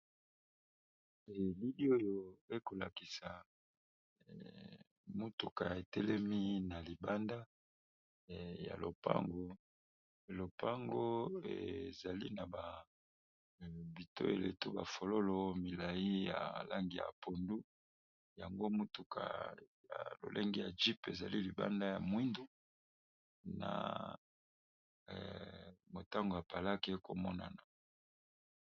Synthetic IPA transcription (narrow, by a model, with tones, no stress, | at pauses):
li˦di˦o˦jo˨e˦ko˨la˨ki˨sa˨ | mu˦tu˨ka˨e˨tɛ˦lɛ˦mi˦na˨li˨ba˦nda˦ | ja̰˨lo̰˨pa̰˦ŋɡo˦˨ | lo˨pʰa˦ŋɡo˦ḛ˨za˨li˦na˨ba˨ | bi˨to̰˦e˨le˨tu˦ba˨fo˨lo˦lo˦mi˨la˨ji˦ja̰˨la˦ŋɡi˨ja̰˨pʰo˨ndu˦ | ja˨ŋɡo˦mu˦tu˨kʰa̰˨ja̰˨lo̰˨lʔe˦ŋɡi˦ja˨d͡ʒi˦pe˨za˨li˦li˨ba̰˦nda˦ja˨mwi˦ndu˦ | na̰˨ | mo˨ta˦ŋɡo˨a˨pa˨la˦ke˦ko˨mɔ˦na̰˨na˨